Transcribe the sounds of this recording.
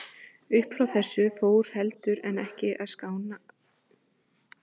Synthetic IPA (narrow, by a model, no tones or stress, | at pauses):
ʏhpfɾawθɛsːʏfoːwɾ̥hɛlt̪ʏɾɛnɛhcɪʔaðskaːwna